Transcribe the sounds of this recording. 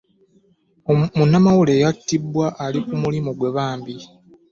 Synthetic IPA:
omunːamawule̞ːjatːibːwaʔːlikumulimoɡwe̞βaːmbi

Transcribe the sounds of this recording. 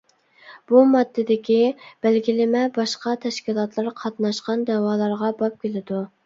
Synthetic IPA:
b̥umɑd̪ːɪd̪ɪkʲib̥ælɡʲilɪmɛbɑʃqɑt̪ʰɛʃkʲilˠɑt̪lˠɑɾqʰɑt̪nɑʃqɑnd̪ɛwɑːlˠɑɾʁɑbɑp̚kʲelɪd̪u

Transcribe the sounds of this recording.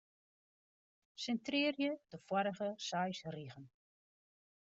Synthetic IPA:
sɛntrɪːrjədəfwɔɾəɣəsœjsriɣən

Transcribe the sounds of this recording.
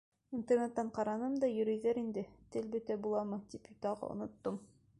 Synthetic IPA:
int̪ernet̪ːɑɴqɑɾɑnɤmd̪ɒjɵ̆ɾɘ̆jðæɾind̪ɘt̪ɘlbɵ̆t̪æbulˠɑmɤt̪ipjut̪ɑʁɑ̰ŏ̰nŏt̪ːom

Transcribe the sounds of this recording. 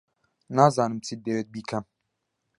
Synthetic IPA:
naːzaːnɨmt͡sʰid̪eːwet̪̚biːkʰɐm

